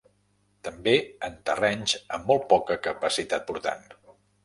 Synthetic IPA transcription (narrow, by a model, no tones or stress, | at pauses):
t̪əmbeənt̪ərɛɲzəmːɔlˠt̪̚pɔkəkəpəsit̪at̪̚puɾt̪a̰n